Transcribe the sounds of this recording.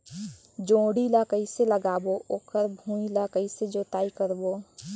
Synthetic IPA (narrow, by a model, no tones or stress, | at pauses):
d͡ʒõːɽilakəiseləɡaːboʔoːkəɾbʱũːilakəised͡ʒoːt̪aːikəɾboː